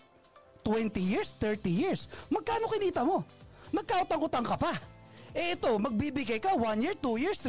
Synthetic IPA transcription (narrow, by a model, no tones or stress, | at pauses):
t̪wɛnt̪ijɪɹst̪ɛɹt̪ijɪɹsmɐɡ̚kaːno̞kɪniːt̪ɐmo̞nɐɡ̚kaːʔot̪ɐŋkʊt̪ɐŋkɐpaʔɛʔɛt̪o̞mɐɡ̚bibɪɡajkɐwanjɪɹt̪ujɪɹs